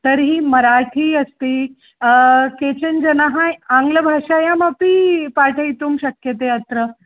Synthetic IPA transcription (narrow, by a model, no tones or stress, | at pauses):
t̪əɾɦiːmɐɾaʈʰiːɐst̪iː | ket͡ɕənd͡ʒɐnaɦajãŋɡləbʱaːʂaːjamɐpiːpaʈʰəjt̪uːmɕɐkjət̪eɐt̪ɾə